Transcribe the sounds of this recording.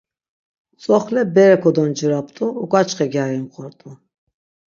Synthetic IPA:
t͡sʼɔχlɛbɛɾɛkʰɔd̪ɔnd͡ʒəɾapt̪ʼuːkʼat͡ʃʰʼχɛɡjaɾɛmχɔɾt̪ʼu

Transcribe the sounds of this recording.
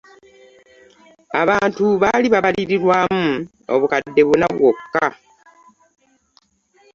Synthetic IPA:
aβaːntuβaːliβaβaliɾiɾwaːmu | o̞̰βukadːe̞βunaβwokːa

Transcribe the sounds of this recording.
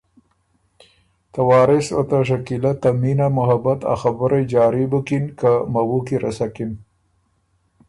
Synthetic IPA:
t̪awɑːɾɪsat̪aʂ̬akilat̪ːaminamʊɦabat̪a̰xabʊɾad͡ʒɑːɾibʊkinkamawukiɾʔa̰sakin

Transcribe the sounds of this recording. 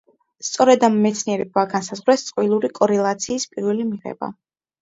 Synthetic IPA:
st̪sʼɔɾɛd̪amːɛt̪sʰniɛɾɛbaɡansazʁwɾɛst̪sʼqʼwilˠuɾikʼɔɾɛlˠat̪sʰiːspʼiɾwɛlimiʁɛ̰ba̰

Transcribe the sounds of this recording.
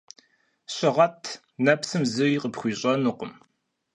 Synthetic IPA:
ɕʼɪʁɐtʰ | nɐpsɨmzɨiqəpχʷiːɕʼɐnuqəm

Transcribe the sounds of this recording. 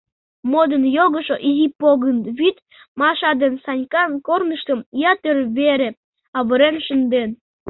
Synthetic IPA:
mod̪ənjoɣəʃoʔizipoɣənβit̪ | mɑʃɑd̪ensɑnʲkɑnkornəʃt̪əmjɑt̪ørβeɾe | ɑβəɾenʃənd̪en

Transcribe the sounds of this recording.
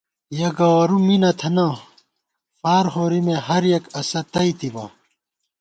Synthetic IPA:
jɐɡɐɐɾuminɐt̪ʰɐnɐ | paːɾɦoːɾimeɦɐɾjekɐsɐt̪ɐit̪ibɐ̰

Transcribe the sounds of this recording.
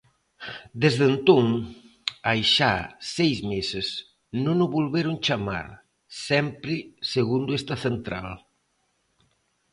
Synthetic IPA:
d̪ezðent̪oŋ | ajʃa̰sejzmesɪs | nõnʊβolβeɾʊŋt͡ʃama̰ɾ | sɛmpɾɪseɣund̪ʊest̪ɐθent̪ɾa̰l

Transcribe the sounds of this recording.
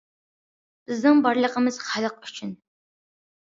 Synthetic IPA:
b̥ɨznɨŋbɑɾləqəmɨz̥χalɨq̚u̥t͡ʃʰɪn

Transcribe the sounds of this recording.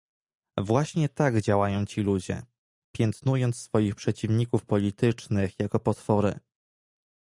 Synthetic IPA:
vwaɕɲɛt̪aɡd͡ʑawajɔ̃w̃t͡ɕilud͡ʑɛ̰ | pʲjɛnt̪nujɔnt̪ssfɔjixpʂɛt͡ɕivɲikufpɔlʲit̪ɘt͡ʂnɘxjakɔpɔt̪fɔɾɘ̰

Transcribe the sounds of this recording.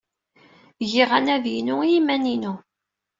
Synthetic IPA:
ʝiʁænæðjinujimæninu

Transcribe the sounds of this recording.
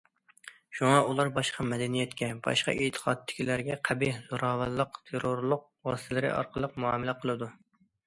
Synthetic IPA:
ʃuŋɑʔulˠɑɾbɑʃqʰɑmɛd̪ɛnijɛt̪kʲɛbɑ̰ʃqɑ̰ʔet̪ʰːə̥qʰɑt̪ʰːɪ̥kʲilæɾɡʲɛqʰæbiz̥oɾɑːwællˠəqt̪ʰeɾoɾlˠʊq̚wɑst̪ʰɛlɪɾɪ̰ʔɑ̰ɾqʰəlˠəqmuɑmɪlæqʰəlˠɨd̪u

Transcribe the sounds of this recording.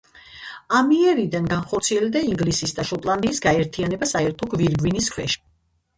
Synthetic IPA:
amiɛɾid̪anɡanχɔɾt̪sʰiɛld̪aiŋɡlisisd̪aʃɔt̪ʼlˠand̪iːsɡaɛɾt̪ʰianɛbasaɛɾt̪ʰɔɡviɾɡwiniskʰwɛʃ

